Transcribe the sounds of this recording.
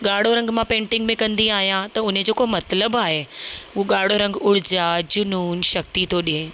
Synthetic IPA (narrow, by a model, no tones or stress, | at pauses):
ɠaːɽ̤oɾɐ̃ŋɡmãpẽːɳʈɪ̃ŋɡmẽkɐ̃nd̪iaːɦijãt̪ɐʊned͡ʑoːkomɐt̪ləbaːɦeʊɦoɠaːɽ̤oɾɐ̃ŋɡʊɽ̤ɪd͡ʑaːd͡ʑʊnuːnʃɐk̚t̪it̪ʰoːɗiɦẽ